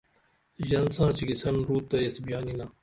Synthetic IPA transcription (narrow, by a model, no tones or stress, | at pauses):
jɐnsãːt͡ɕiɡisɐnɾuːt̪ːɐjɐsbijaːnina